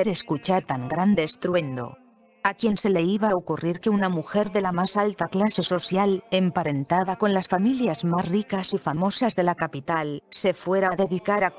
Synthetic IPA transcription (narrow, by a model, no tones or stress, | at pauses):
ɾeskut͡ʃaɾt̪aŋɡɾand̪e̞st̪ɾwe̞nd̪o̞̰ | akjense̞le̞iβaokuriɾke̞unamuxe̞ɾðe̞lamasalt̪aklase̞so̞sjale̞mpaɾe̞nt̪aðako̞nlasfamiljazmasrikasifamo̞sazðe̞lakapit̪alse̞fwe̞ɾaaðe̞ðikaɾa